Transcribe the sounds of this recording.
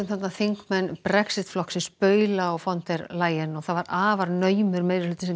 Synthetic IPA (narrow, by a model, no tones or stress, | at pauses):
ʏmθat̪naθiŋkmɛnːpɾɛksɪt̪flɔhksɪspœːɥlaɔɣfɔnt̪ɛɾlaːjɛnɔɣθaðvaɾaːvaɾnœːɥmʏɾmejɾɪlʏːt̪ɪsɛm